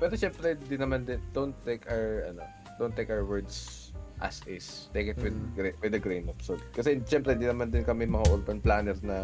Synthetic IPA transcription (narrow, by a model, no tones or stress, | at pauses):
pɛːɾoʃɛmpɾɛɪnd̪inɐmand̪ɪnd̪ownt̪ːekʔawɛɹʔɐno̰ | d̪ownt̪ːejkʔawwɛɹd̪s | ʔa̰sɪst̪ejkɪt̪wɪd̪ɡwɪd̪ɐɡɾejnopsoɡkɐsɛʃɛmpɾɛɪnd̪inɐmand̪ɪnkɐmɛmɐŋaʔoɾbɐnplaːnɛɾnɐ